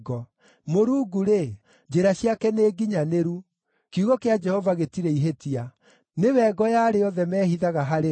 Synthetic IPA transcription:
ɡɔ | moɾuːɡuɾe | d͡ʑeɾaɕiakɛneːɡiɲaneɾu | kiuɣɔkead͡ʒɛhɔvaɣetiɾɛiɦetia | newɛːɡɔjaːɾejɔðɛmɛːhiðaɣaɦaɾe

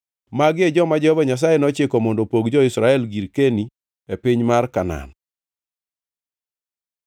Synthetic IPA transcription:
maɡed͡ʒɔmad͡ʒɔhɔbaɲas̬ajɛnɔt͡ʃɪkɔmɔndɔpoɡd͡ʒɔɪsɾaɛlɡiɾkeni | epɪɲmarkana̰n

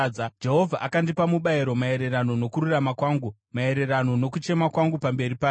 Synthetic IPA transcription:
d͡ʒeɦo̞vʱaʔakandipamuɓaiɾo̞mae̞ɾe̞rano̞no̞kururamakwaːŋɡu | mae̞ɾe̞rano̞no̞kut͡ʃe̞makwaŋɡupambe̞ɾipa

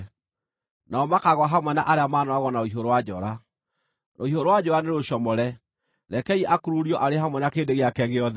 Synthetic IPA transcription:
naɔmakaɣwaɦamwɛnaʔaɾeamaːnɔaɣɔnaoiɦoɾowad͡ʒɔɾa | oiɦoɾowad͡ʒɔɾaneɾoɕɔmɔɾɛ | ɾɛkɛiʔakoɾuɾiɔʔaɾeɦamwɛnakeːndeɣeakɛɣeɔðɛ

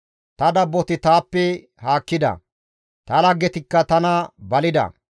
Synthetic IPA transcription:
t̪ɐd̪ɐbːɔt̪ɪt̪aːpːɛ | haːkːɪd̪ɐ̰ | t̪ɐlɐɡːɛt̪ɪkːɐt̪ɐnɐbɐlɪd̪ɐ̰

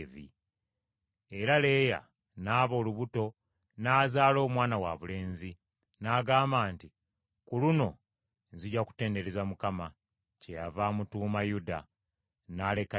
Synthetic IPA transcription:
vḭ | e̞ɾale̞ːja̰ | naːβo̞ːluβuto̞ | naːzaːlo̞ːmwaːnawaβule̞ːnzi | naːɡaːmbaːnti | kuluno̞ | ziɟaku̥te̞ːnde̞ɾezamukama | cejavaːmutuːmajuda̰ | naːle̞ka

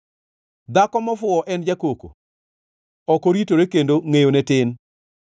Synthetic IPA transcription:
d̪akɔmɔfʊɔʔɛnd͡ʒakoko̰ | ɔkoɾitoɾekendoŋejonɛtɪn

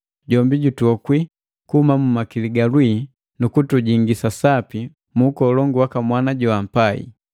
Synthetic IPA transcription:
ɟɔmbiɟutwɔkwi | kuhumamumakiliɡalwi | nukutuɟiŋɡisasapi | mukɔlɔŋɡuwakamwanaɟɔam̩paḭ

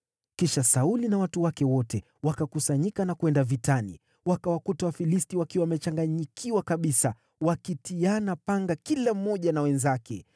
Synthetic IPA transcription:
kiʃasaulinawatuwakɛwɔtɛ | wakakusaɲikanakuwɛndavitanḭ | wakawakutawafilistiwakiwawmɛt͡ʃaŋɡaɲikʰiwakaɓisa | wakitianapaŋɡakilam̩mːɔʄanawɛnzakɛ

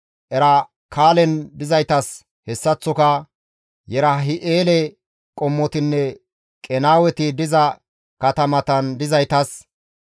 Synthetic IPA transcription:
ʔɛɾɐ | kʰaːlɛnd̪ɪzɐjt̪ɐs | hɛsːɐt͡sːɔkɐ | jɛɾɐɦɪʔeːlɛ | kʼɔmːɔt̪ɪnːɛ | kʼɛnaːwɛt̪ɪd̪ɪzɐ | kɐt̪ɐmɐt̪ɐnd̪ɪzɐjt̪ɐs

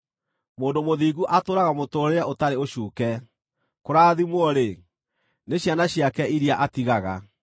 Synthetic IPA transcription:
moːndomoðiːɣuʔatoːɾaɣamotoːɾeɾɛotaɾeoɕuːkɛ | koɾaːðimwɔɾe | neɕjanaɕiakɛiɾiaʔatiɣaɣa

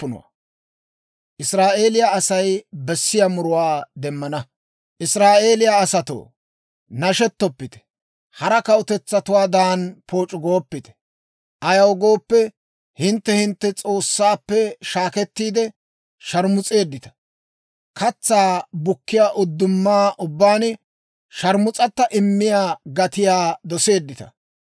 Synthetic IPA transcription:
pːʊnɔ̰wɐ̰ | ʔɪsɾaːʔe̞ːlɪjaɐsɐjbɛsːɪjamʊɾʊwaːd̪ɛmːɐnɐ | ʔɪsɾaːʔe̞ːlɪjaːsɐt̪o̰ː | nɐʃɛt̪ːɔpːɪt̪ɛ̥ | hɐɾɐkɐʊt̪ɛt͡sːɐt̪ʊwaːd̪aːnpʰo̞ːt͡ʃʼʊɡo̞ːpːɪt̪ɛ̥ | ʔɐjɐwɡo̞ːpːɛ | hɪnt̪ːɛhɪnt̪ːɛt͡sʼo̞ːsːaːpːɛʃaːkɛt̪ːiːd̪ɛ | ʃɐɾmʊt͡sʼe̞ːd̪ːɪt̪ɐ̥ | kʰɐt͡sːaːbʊkːɪjaːʔʊd̪ːʊmːaːʔʊbːaːn | ʃɐɾmʊt͡sʼɐt̪ːɐʔɪmːɪjaːɡɐt̪ɪjaːd̪ɔse̞ːd̪ːɪt̪ɐ̰

